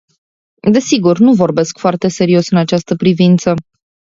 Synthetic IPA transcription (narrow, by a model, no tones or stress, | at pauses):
d̪e̞siɡurnuvo̞rbe̞skfoart̪e̞se̞ɾio̞sɨnat͡ʃast̪əpɾivint̪sə